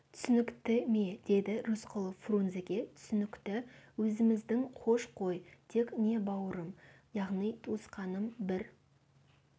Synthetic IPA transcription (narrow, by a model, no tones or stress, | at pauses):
t̪ʰʏ̥sɪnɪkt̪ɪmed̪̥e̞d̪ɪɾusqʰəlˠəfrunzekʲe̞t̪ʰʏ̥sʏnɪkt̪ɪwɵzɪmɪzd̪ɪŋqʰo̞ʃqʰo̞jt̪ʰe̞kne̞bɑwəɾəm | jɑʁnijt̪ʰusqɑnəmbɪɾ